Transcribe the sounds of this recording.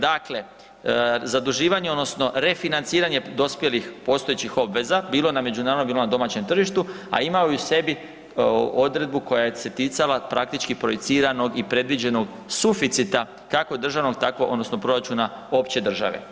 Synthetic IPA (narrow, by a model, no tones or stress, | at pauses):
d̪akle̞ | zad̪uʒiːʋaɲeo̞d̪no̞sno̞ɾe̞finant̪siːɾaɲe̞d̪o̞spje̞lixpo̞ːst̪o̞et͡ɕixo̞bʋe̞zabiːlˠoname̞d͡ʑunaːɾonobilo̞nad̪o̞mat͡ɕe̞mt̪r̩ʒiʃt̪u | a̰imaouse̞bi | o̞d̪ɾe̞d̪̚buko̞jajese̞t̪it̪salapɾa̰k̚t̪it͡ʃkipɾo̞jit̪siːɾano̞ɡipɾe̞d̪ʋid͡ʑe̞no̞ɡ | sufit̪sit̪a | kako̞d̪r̩ʒaʋno̞ɡ̚t̪akoʔod̪no̞sno̞pɾo̞ɾat͡ʃuna | o̞pt͡ɕe̞d̪r̩ʒa̰ʋe̞̰